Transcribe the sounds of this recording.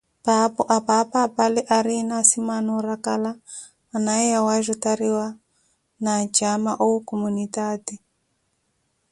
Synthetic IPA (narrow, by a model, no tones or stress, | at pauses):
papɔʔapapaːpalɛʔaɾinasimanɔɾakalaː | naɛjawaʒɔtaɾiwa | nad͡ʒamaʔokɔmunitaːdi